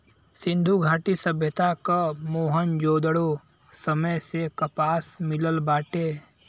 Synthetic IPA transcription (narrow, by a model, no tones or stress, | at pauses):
sɪ̃nd̪ʱuɡʱaːʈisəbʱjət̪akamoːɦənd͡ʒoːd̪əɽo | səməjsekəpaːsmɪləlbaːʈeː